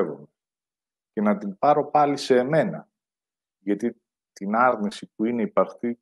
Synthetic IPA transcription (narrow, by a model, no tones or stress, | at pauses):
vom | ce̞nɐt̪inpɐɾo̞pɐlise̞ːme̞nɐ | ʝɐt̪i | t̪inɐɾnisip̚uine̞ipɐɾxt̪i